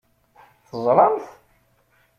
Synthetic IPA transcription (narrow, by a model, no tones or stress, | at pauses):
θəzˤɾˤɑmθ